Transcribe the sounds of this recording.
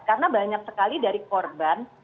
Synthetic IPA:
karənabaɲak̚səkalidaɾikɔrban

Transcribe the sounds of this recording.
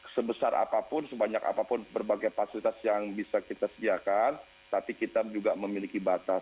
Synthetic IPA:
səbəsaɾʔa̰papʊnsəbaɲaka̰papʊnbərbaɡajfasilit̪asjaŋbisakit̪asədiakan | t̪apikit̪ad͡ʒuɡaməmilikibat̪as

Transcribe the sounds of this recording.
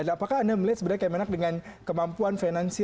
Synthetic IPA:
anapakaːndaməliat̪səbəɾakajamenak̚dəŋankəmampuanfanansi

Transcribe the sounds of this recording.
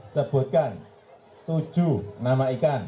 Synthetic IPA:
səb̥ʊ̤t̪̚kan | t̪ud̥ʒ̥unamaikan

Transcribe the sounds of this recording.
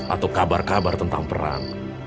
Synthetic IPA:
ʔat̪awkabarkabart̪ənt̪aŋpəɾa̰ŋ

